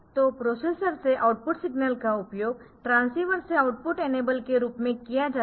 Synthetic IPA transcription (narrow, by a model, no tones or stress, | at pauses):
t̪opɾoːseːsəɾseʔaʊʈ̚pʊʈsɪɡnəlkaʊpjoːɡʈɾãːnsiːʋəɾseaʊʈ̚pʊʈeːneːbəlkeɾuːpmẽkijad͡ʒaː